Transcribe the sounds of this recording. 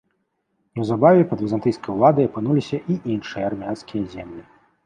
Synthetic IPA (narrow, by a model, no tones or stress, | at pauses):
wzabavʲɛpɐd̪vʲizant̪ɨjskɐjulˠad̪ɐjɐpɨnulʲisʲɐʔiʔinʂɨjɐarmʲanskʲijɐzʲɛmlʲi